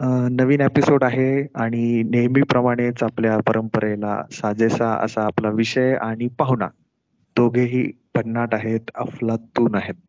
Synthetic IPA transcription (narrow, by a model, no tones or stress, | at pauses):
nəʋiːnepisoɽaɦeaɽ̃inejmiːpɾəmaɽ̃et͡sapljapəɾəmpəɾela̰sad͡zesaə̰saːplaʋiɕəjaɽ̃ipaɦuna̰ | d̪̥oɡʱeɦḭː | b̥ʱəɽnaʈaɦet̪ə̰flat̪ːuːnaɦet̪̚